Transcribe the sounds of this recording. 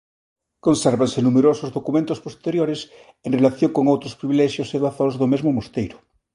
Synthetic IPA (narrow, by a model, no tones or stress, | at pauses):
konsɛɾβansenumeɾosozðokumẽnt̪ospost̪eɾjoɾes | enrelaθjoŋkoŋowt̪ɾospɾiβilɛʃjoseβaθozðomezmomost̪ejɾʊ